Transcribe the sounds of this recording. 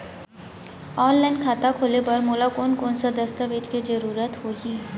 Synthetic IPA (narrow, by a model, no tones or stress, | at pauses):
ɔːnlɛ̃ːnkʰaːt̪akʰoːlepɐɾmoːlakoːnkoːnsad̪əst̪aʋed͡ʒkid͡ʒəɾuːɾət̪hoːɦi